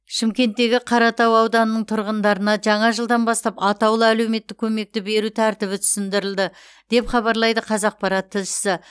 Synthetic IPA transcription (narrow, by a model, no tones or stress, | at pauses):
ʃɪmkʲe̞nt̪ːe̞ɡʲɪqʰɑɾɑt̪ɑwɑwd̪ɑnənəɴt̪ʰʊɾʁənd̪ɑɾənɑʒɑɴɑʒəlˠd̪ɑnbɑst̪ɑpɑt̪ɑwlˠəælewme̞t̪ːɪkʲʰɵme̞k̚t̪ɪbe̞ɾut̪ʰæɾt̪ɪβɪt̪ʰʏ̥sɪnd̪ɪɾɪld̪ɪ | d̪̥e̞pχɑβɑɾlˠɑjd̪əqʰɑzɑq̚pɑɾɑt̪ʰːɪlʃɪ̥sɪ